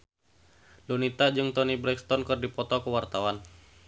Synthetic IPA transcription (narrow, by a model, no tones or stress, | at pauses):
dunit̪ad͡ʒɨŋt̪ɔnibɾɛkst̪ɔnkɨrdipɔt̪ɔkəwart̪awan